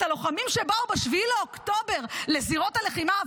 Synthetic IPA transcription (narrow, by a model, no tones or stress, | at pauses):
alo̞χamimʃebaubeʃvileokt̪o̞be̞ʁle̞ziʁo̞thale̞χima